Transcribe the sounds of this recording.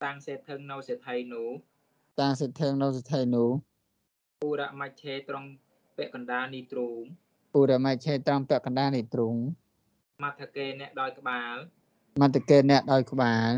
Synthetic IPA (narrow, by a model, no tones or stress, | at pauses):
t̪aŋseːt̪ʰɨŋnɨwset̪ʰəjnuːh | t̪aːŋseːt̪ʰːɨŋnɨwset̪ʰəjnʊəh | ʔuːɾaʔmac̚t͡ɕʰeːt̪roŋ | pɛ̆əʔkɑnɗaːniːt̪ruːŋ | ʔuːɾaʔmac̚t͡ɕʰeːt̪rɔŋpɛ̆əʔkɑnɗaːniːt̪ruŋ | mat̪ʰːakeːnɛ̆əʔɗaɔjkə̆ɓaːl | mat̪ʰːəkeːnɛ̆əʔɗaɔjkə̆ɓaːl